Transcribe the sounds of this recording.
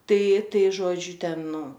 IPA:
ˈtɐɪ ˈtɐɪ ˈʒoːd͡ʒʲʊ ˈtʲɛn ˈnʊ

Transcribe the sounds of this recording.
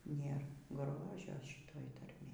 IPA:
ˈnʲeːr ˈɡroːʒʲoː ˈʃʲiːtoːj tɐrʲˈmʲeːj

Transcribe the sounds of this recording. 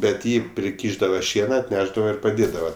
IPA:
bʲɛt ˈjiː pʲrʲɪˈkʲiːʒdɐʋɐ ˈʃʲiɛnɐ ɐtʲˈnʲæːʒdɐʋɐ ɪr pɐˈdʲeːdɐʋɐ

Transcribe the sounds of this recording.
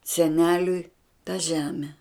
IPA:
sʲɛˈnʲæːlʲʊɪ tɐ ˈʒʲæːmʲɛ

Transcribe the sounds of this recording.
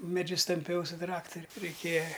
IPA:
mʲɛˈd͡ʒʲʊs tɐmʲˈpʲɛʊ sʊ ˈtrɑːktʊrʲʊ rʲɛɪˈkʲeːjɛ

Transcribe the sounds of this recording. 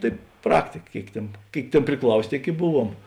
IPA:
ˈtɐɪ ˈprɑːktʲɪkɐ ˈkʲeːɪk ˈtʲeːn ˈkʲeːɪk ˈtʲeːn pʲrʲɪˈklˠɐʊsʲeː ˈtʲeːɪk ɪ ˈbʊˌʋuɔm

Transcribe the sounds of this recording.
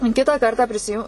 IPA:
ˈkʲɪtɑː ˈkɐrtɑː pʲrʲɪsʲɪˈjʊ

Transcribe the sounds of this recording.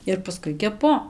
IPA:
ɪr pɐˈskʊɪ kʲɛˈpʊ

